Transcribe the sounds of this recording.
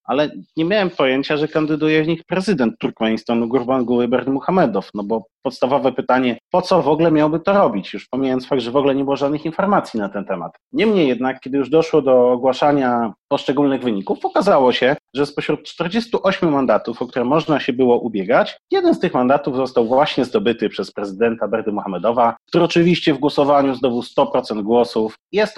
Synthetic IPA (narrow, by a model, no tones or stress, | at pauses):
alɛɲɛmʲjawɛmpɔjeɲt͡ɕaʐɛkand̪ɘd̪ujɛvɲixpɾɛzɘd̪ɛnt̪ːuɾkmɛɲist̪ɔnuɡuɾbanɡuwɘbɛɾt̪muxamɛd̪ɔfnɔbɔpɔt̪st̪avɔvɛpɘt̪aɲɛpɔt̪sɔvɔɡlɛmʲjawbɘt̪ɔɾɔbʲit͡ɕjuʂpɔmʲiɲajɔnsfaɡ̚d̪ʐɛvɔɡlɛɲɛbɨwɔʐad̪nɘxinfɔɾmat̪sʲjinat̪ɛnt̪ɛma̰t̪ | ɲɛmɲejːɛd̪nakʲːɛd̪ɘjuʐd̪ɔʂwɔd̪ɔːɡwaʂaɲapɔʂt͡ʂɛɡulnɘɣvɘɲikufɔkazawɔɕɛʐɛspɔɕɾut̪̚t͡ʂt̪ɛɾd͡ʑɛst̪uʔɔɕmjumand̪at̪ufɔkt̪uɾɛmːɔʐnaɕɛbɘwɔʔubʲjɛɡat͡ɕjɛd̪ɛnst̪ɘxmand̪at̪uvzɔst̪awvwaɕɲɛzd̪ɔbɘt̪ɘpʂɛspɾɛzɘd̪ɛnt̪abɛɾd̪ɘmuxamɛd̪ɔvak̚t̪uɾɛɔt͡ʂɘvʲiɕt͡ɕɛvɡwɔsɔvaɲuznɔvust̪ɔpɾɔt̪sɛnd̪̚ɡwɔsufjɛst̪